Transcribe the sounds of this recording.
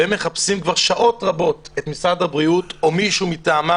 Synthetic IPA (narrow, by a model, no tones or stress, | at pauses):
emːeχapsimkvaʁʃaʔo̞tʁabo̞tet̪misʁadhabʁiuto̞miʃumitaːma